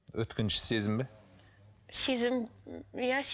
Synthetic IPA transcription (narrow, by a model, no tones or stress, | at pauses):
wɵ̰t̪kʲenʃɪ̥se̞zɪmbɪ | se̞zɪmjas